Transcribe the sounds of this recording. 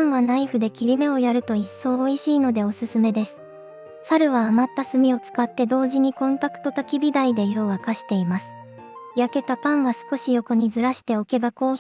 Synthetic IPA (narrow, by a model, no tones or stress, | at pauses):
ãɰ̃ɡanaiɸɯ̟d̪e̞kʲiɾʲime̞o̞jaɾɯ̟t̪o̞isːo̞ːiɕiːno̞d̪e̞o̞sɨsɨme̞d̪e̞sɨ̥ | saɾɯ̟βaːmat̪ːasɨmʲio̞t͡sɨ̥kat̪ːe̞d̪o̞ːʑiɲ̟ikõ̞nt̪akɯ̟̥t̪o̞t̪akʲibʲid̪aid̪e̞jo̞ːβakaɕi̥t̪e̞imasɨ̥ | jake̞t̪apãɰ̃ɡasɨ̥ko̞ɕijo̞ko̞ɲ̟izɨɾaɕi̥t̪e̞o̞ke̞bako̞ː